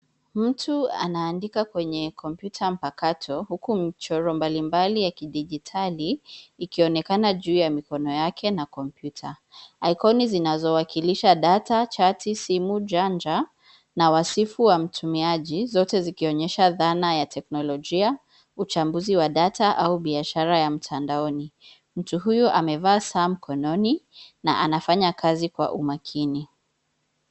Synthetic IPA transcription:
m̩tʰua̰naːndikakwɛɲɛkʰɔmpjutʰam̩pakatʰɔhukumit͡ʃɔɾɔmbalimbalijakiɗiʄitʰaliːkiɔnɛkanaʄuːjamikɔnɔjakʰɛnakɔmpjutʰa | ajkɔnizinazɔwakiliʃaɗatat͡ʃatisimud͡ʒand͡ʒa | nawasifuwam̩tʰumiaʄizɔtɛzikiɔɲɛʃaðanajatʰɛknɔlɔʄia | ut͡ʃambuziwaɗataʔauɓiaʃaɾajam̩tʰandaɔni | m̩tuɦujuʔamɛvaːsaːm̩kʰɔnɔnina̰ʔanafaɲakʰazikwa̰ʔumakʰini

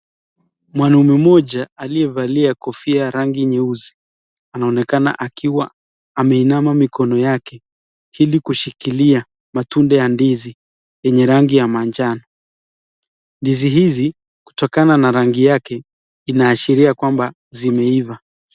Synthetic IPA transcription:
mwanumimɔʄaːliɛvaliakɔfiaɾaŋɡiɲɛuzi | anaɔnɛkana̰ʔakʰiwa̰ː | mɛinamamikɔnɔjakɛ | ilikuʃikilia | matundɛjandizi | jɛɲɛɾaŋɡijamaɲd͡ʒanɔ | ndiziɦizi | ku̥tɔkananaɾaŋɡijakɛ | inaːʃiɾiakwamba | zimɛiva

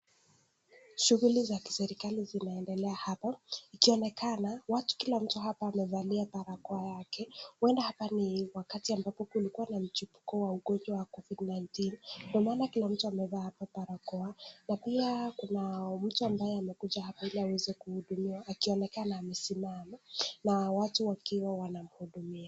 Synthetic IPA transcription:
ʃuɣulizaki̥sɛɾikalizinaɛndɛlɛahapaikiɔnɛkanawatu̥kilam̩tuɦapaːmɛzaliapaɾakɔajakɛwɛndahapaniwakatiambapɔkulikuwanam̩t͡ʃipu̥kɔwauɠɔnd͡ʒwawakɔvidnajntindiɔmaːnakilam̩tuamɛðahapapaɾakɔanapiakunam̩tuambajɛamɛkuʄahapailiawɛzɛkuhuɗumiwaːkiɔnɛkanaːmɛsimamanawatuwakiwawanam̩huɗumia

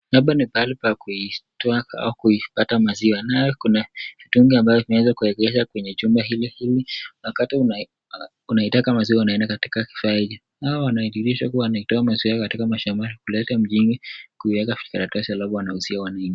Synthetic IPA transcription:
naɓanipalipakuitɔaa̰ukuipatamaziwanaɔkunavituŋɡiambavɔvimɛwɛzakuɛɡɛzakwɛɲɛd͡ʒumbaɦilihiliwakatiuna | unaitakamaziwawanaɛndakati̥kaki̥faiði | awɔwanaiɗiɾiʃakuawanaitɔamaziwakatikamaʃamaɾikulɛtam̩ʄinikuiwɛkafi̥kaɾatɔsialabɔwanahusiawanaŋɡi

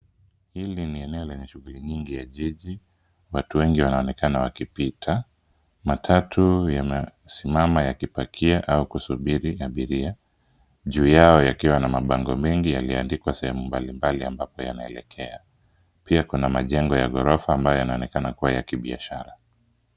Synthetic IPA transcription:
hiliniɛnɛɔlɛɲɛʃuɣuliɲiŋɡijaʄiʄi | watuwɛŋɡiwanaɔnɛkanawakipitʰa | matʰatujamɛsimamajakipakʰiaʔaukusuɓiɾiaɓiɾia | ʄuːjaɔjakiwanamaɓaŋɡɔmɛŋɡijaliandikwasɛhɛmumbalimbaliambapɔja̰naɛ̰lɛ̰kʰɛa | piakunamaʄɛŋɡɔja̰ɠɔɾɔfaːmbajɔjanaɔnɛkanakuwajakiɓia̰ʃaɾa

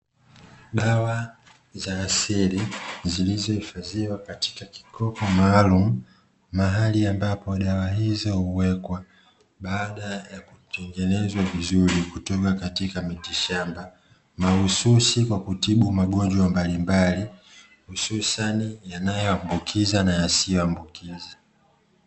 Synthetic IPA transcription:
ɗawa | zaːsiɾizilizɔhifaziwakati̥kaki̥kʰɔpɔmaːlumu | maɦaliambapɔɗawaɦizɔhuwɛkwa | ɓaːɗajakutɛŋɡɛnɛzwavizuɾikutɔkakatikamitiʃamba | mahususikwakutiɓumaɠɔnd͡ʒwambalimbali | hususanijanajɔambukʰizanajasijɔambukʰiza

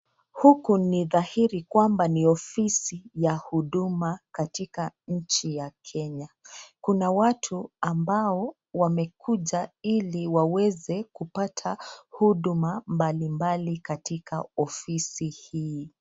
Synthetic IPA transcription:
hukuniðahiɾikwambaniɔfisijahuɗumakatikaɲ̩t͡ʃijakʰɛɲakunawatʰuambaɔ | wamɛkʰuʄailiwawɛzɛkupatʰahuɗumambalimbalikatikaɔfisihiː

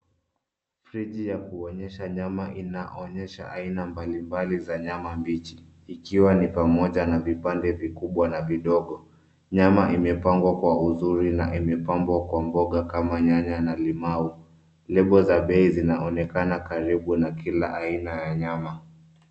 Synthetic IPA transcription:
fɾiʄijakuɔɲɛʃaɲamaʔinaʔɔɲɛʃa̰ʔainambalimbalizaɲamambit͡ʃiː | kiwanipamɔʄanavipandɛvikuɓwanaviɗɔɠɔ | ɲamaʔimɛpaŋɡwakwauzuɾinaʔimɛpambwakwambɔɠakamaɲaɲanalimau | lɛɓɔzaɓɛizinaʔɔnɛkanakaɾiɓunakilaʔainajaɲama

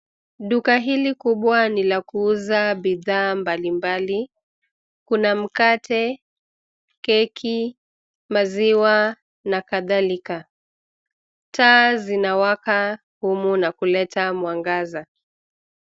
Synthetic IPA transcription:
ɗukaɦilikuɓwanilakuuzaɓiðaːmbalimbali | kunam̩katʰɛ | kɛkʰi | maziwa | nakaðalika | tʰaːzinawaka | humunakulɛtamwaŋɡaza

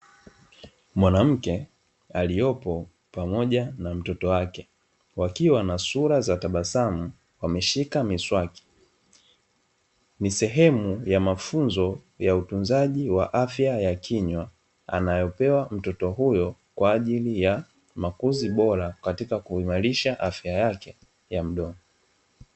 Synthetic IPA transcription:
mwanam̩kɛ | alijɔpɔ | pamɔʄanam̩tɔtɔwakɛ | wakiwanasuɾazataɓasamu | wamɛʃikamiswaki̥ | nisɛɦɛmujamafunzɔ | jautunzaʄiwaʔafjajakiɲwa | a̰najɔpɛwam̩tɔtɔɦujɔkwaːʄilija | makuziɓɔɾakatikakuimaɾiʃaʔafjajakɛ | jam̩ɗɔnɔ

